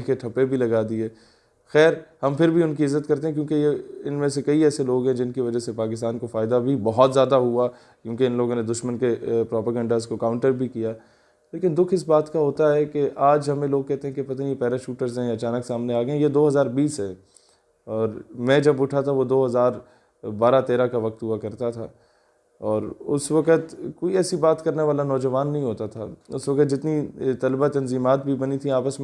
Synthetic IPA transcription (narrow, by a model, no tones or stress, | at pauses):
keʈʰɐpːebʱilɐɡaːd̪iɛː | xɛːɾhɐmpʰɪɾbʱiʊnkiɪzːət̪kɐɾt̪eɦɛ̃kjõːkejeɪnmẽsekɐiɛːseloːɡɦɛ̃d͡ʒɪnkiʋɐd͡ʒasepaːk̬ɪst̪aːnkofaːɪd̪abʱibɐɦɔt̪zjaːd̪aɦua | kjũːkeɪ̃nloːɡõned̪ʊʃmənkepɾɔːpaːɡə̃ɳɖaːzkokãːʊ̃ɳʈəɾbʱikijaː | leːkɪnd̪ʊkʰɪs̬baːt̪kaɦoːt̪aɦɛkeʔaːd͡ʒɦɐmẽloːɡ̚kɛɦt̪eɦɛ̃kepɐt̪anipɛːɾaʃuːʈəɾzɦɛ̃jaɐt͡ʃaːnəksaːmneaːɡəẽjed̪oːɦɐzaːɾbiːsɦɛː | ɔːɾmɛ̃ːd͡ʒɐbʊʈʰat̪ʰaʋod̪oːɦɐzaːɾ | baːɾat̪eːɾakaʋɐk̚t̪ɦuakɐɾt̪at̪ʰa̰ː | ɔːɾʊ̰sʋɐkət̪koːiɛːsibaːt̪kɐɾneʋaːlanɔːd͡ʒəʋaːnːɐɦĩɦoːt̪at̪ʰa̰ːʊsʋɐkət̪d͡ʒɪt̪nit̪ɐlbat̪ɐnziːmaːt̪̚bʱibɐnit̪ʰĩaːpəsm̃